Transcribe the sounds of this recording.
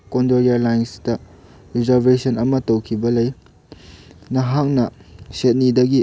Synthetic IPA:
kondoɾijalajnstɐ | ɾizaɾbesɐnɐmɐtowkʰibɐlɐj | nɐɦak̚nɐset̚nidɐɡi

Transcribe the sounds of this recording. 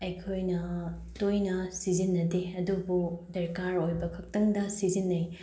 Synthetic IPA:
ɐjkʰojnɐ | tojnɐsizinːɐdeɐdubudɐɾkaɾojbɐkʰɐk̚tɐŋdɐsizinːɐj

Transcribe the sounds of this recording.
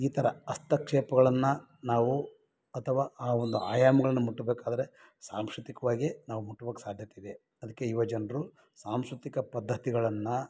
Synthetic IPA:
iːt̪ʰɐɾɐɐst̪ɐkʂɛːpɐɡɐɭɐnːɐ | naːʋu | ɐt̪ʰɐʋaːaːo̞nd̪uaːjaːmɐɡɐɭɐnːɐmuʈːubeːkaːd̪ɐɾe | saːmsɾut̪ikɐʋaːɡinaːʋumuʈːuʋɐkesaːd̪ʱjɐt̪id̪e | ɐd̪ɐkːe̞iʋɐd͡ʒɐnɾu | saːmskɾut̪ikɐpɐd̪ʱːɐt̪iɡɐɭɐnːɐ

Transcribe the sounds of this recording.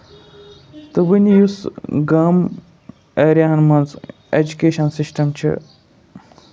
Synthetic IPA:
t̪ɨbɨnjusɡɐm | eɾʲjaɐnmɐnz | ed͡ʒukeːʃɐnsisʈɐmt͡ʃʰḭ

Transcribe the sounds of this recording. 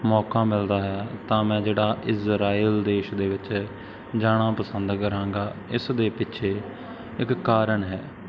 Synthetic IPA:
mɔːkaːmɪld̪aːɦɛːt̪ãːmɛ̃ːd͡ʒeːɽaːʔɪzɾaːiəld̪eːʃd̪eːʋɪt͡ʃ | d͡ʒaːɽ̃ãːpəsənd̪kəɾãːŋɡaːɪsd̪eːpɪtːʃʰeː | ɪkːaːɾəɳɦɛː

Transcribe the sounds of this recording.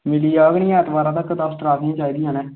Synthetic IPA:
mɪliːaɡɳiɛ̃ːt̪baːɾãːt̪əkːət̪aːst̪ɾaːkniãːt͡ʃaːiːd̪ijãːnɛː

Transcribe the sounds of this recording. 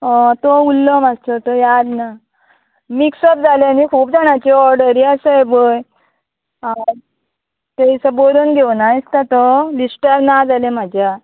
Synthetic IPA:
ət̪oulːəmast̪ət̪ojad̪na | miksəp̚d͡zaleanikʰuːpd͡zaɳjat͡ɕiɔɾɖəɾiəsəebəj | t̪eisəboɾunɡʱewnaist̪at̪olisʈəɾnad͡zalem̤ad͡ʑʱja

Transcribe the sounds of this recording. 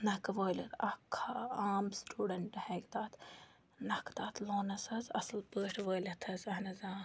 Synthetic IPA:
nɐkʋoːjlʲɐt̪ɐkʰːaaːmsʈuːɖɐɳʈhɛːkd̪aːt̪ʰ | nɐkt̪aːt̪ʰloːnɐsɐsɐ̰slpəːʈʰʋoːjlʲɐt̪ʰɐzɐnɐzaː

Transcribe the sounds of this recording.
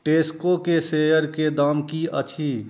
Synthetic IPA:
ʈeːskokeseːjəɾked̪aːmkiə̰t͡ʃʰiː

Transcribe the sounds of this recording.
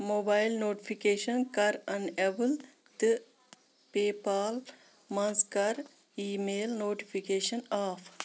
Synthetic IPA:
moːbaːɪlnoːʈifʰikeːʃɐnkɐɾɐ̃neʋəl | t̪ɨ | peːpaːl | mɐ̃nzkɐɾ | iːmeːlnoːʈifʰikeːʃɐnaːf

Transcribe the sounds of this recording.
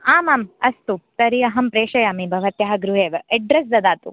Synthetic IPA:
aːmaːmɐst̪ut̪ɐɾiɐɦɐmpɾeːʃɐjaːmibʱɐʋɐt̪jɐɦɐɡɾuɦeːʋɐɖɾesd̪ɐd̪aːt̪ṵ

